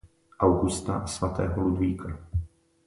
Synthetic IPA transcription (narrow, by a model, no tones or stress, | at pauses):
ʔawɡust̪a̰ʔsvat̪ɛ̰ːɦolud̪viːkʰa